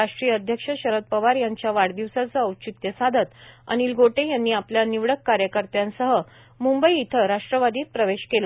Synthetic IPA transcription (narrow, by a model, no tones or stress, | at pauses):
aʂʈɾijəəd̪ʱjəkʂəɕəɾət̪̚pəʋaɾjaɲt͡ɕjaʋaɽd̪iʋsat͡səəwt͡ɕit̪jəsad̪ʱət̪ə̰niːlɡoʈẽjanːiːapljaniʋɽəkːaɾjəkəɾt̪jãnsəɦə | mumbəiːt̪ʰəɾaʂʈɾəʋad̪iːt̪̚pɾəʋeɕkela